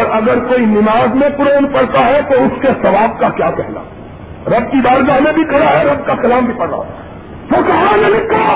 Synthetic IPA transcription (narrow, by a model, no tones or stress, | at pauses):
ɾʔɐɡəɾkoːinɪmaːzmẽpʊɾoːnpɐɽt̪aɦɛt̪oʊskesɐʋaːb̚kakjaːkɛɦla̰ | ɾɐb̚kib̪aːɾɡamẽbʱikʰɐɽaɦɛɾɐb̚kakɐlaːmbʱipɐɽɾa̰ɦo | sokɐɦanelɪkʰːa